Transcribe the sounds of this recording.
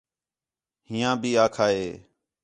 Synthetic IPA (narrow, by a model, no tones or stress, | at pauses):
ɦɪjãːbʱiːaːkʰaːeː